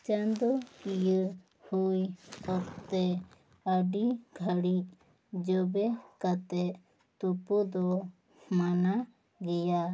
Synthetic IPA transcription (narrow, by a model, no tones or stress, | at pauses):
t͡ʃand̪ɔkijə | hujkɔɾt̪ɛ | əɖiɡʱaɽiʔ̚ | d͡ʒɔbɛkat̪ɛʔ | t̪upud̪ɔ | mana | ɡɛja